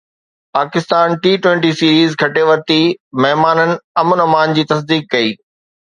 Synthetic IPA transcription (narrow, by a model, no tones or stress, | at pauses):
paːkɪst̪aːnʈiːʈwẽːɳʈisiːɾiːzɡʱɐʈeʋɐɾt̪imɐɦmaːnənɪ̆ɐmənɐmaːnd͡ʑiːt̪ɐs̬d̪iːkːɐiː